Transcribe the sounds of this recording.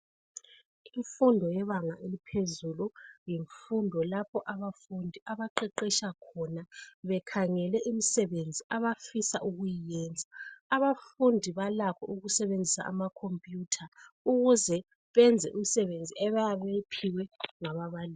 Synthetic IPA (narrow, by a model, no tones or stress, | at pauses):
iɱfundʱɔjɛβaŋaʔelipʰezulujiɱfundʱɔlapʰɔʔaβafundʱiʔaβaǃɛǃɛʃakʰɔnaβɛkʰaŋɛlɛʔimisɛβend͡zʱiʔaβafisa̰ʔuɣujijɛːnd͡zʱaːβafundʱiβalakʰɔuɣusɛβend͡zʱisa̰ʔa̰makʰompʼjuːtʰauɣuzɛ | βɛnd͡zʱɛʔim̩sɛβend͡zʱiɛβajaβepʰiwɛŋaβaβaliː